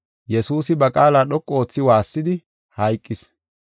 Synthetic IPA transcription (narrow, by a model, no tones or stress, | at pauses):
jɛsuːsɪbɐkʼaːlaːɗɔkʼːɔo̞ːt͡sːɪwaːsːɪd̪ɪ | hɐjkʼːɪs